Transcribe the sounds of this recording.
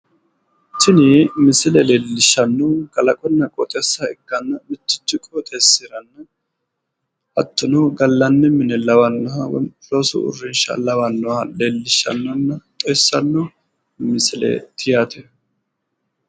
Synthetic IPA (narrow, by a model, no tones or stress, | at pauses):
tɪnɪmɪsɪlɛleːlːɪʃːɐnːɔɡɐlɐkʼɔnːɐkʼɔt̪ʼɛsːɐɪɡːɐnːɐmɪt̪ːɪ̥t͡ʃːɪkʼot̪ʼesːɪɾɐnːɐ | ʔɐt̪ːʊnɔɡɐlːɐnːɛmɪnɛlɐwɐnːɐɐw̰loːsʊ̰ʊ̰rːɪnʃɐ̰lɐwɐnːɔwaleːlːɪʃːɐ̰nːɔnːɐt̪ʼɔjsːɐnːɔ | mɪsɪlɛ̰t̪ʰɪjat̪ɛ